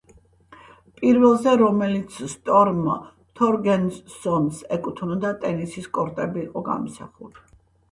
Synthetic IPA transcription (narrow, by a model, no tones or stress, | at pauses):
pʼiɾvɛlˠzɛɾɔmɛlit̪sʰst̪ʼɔɾma̰ | t̪ʰɔɾɡɛnsɔnsɛkʼut̪ʰnɔd̪at̪ʼɛnisiskʼɔɾt̪ʼɛbiːqʼɔɡa̰msa̰χuli̥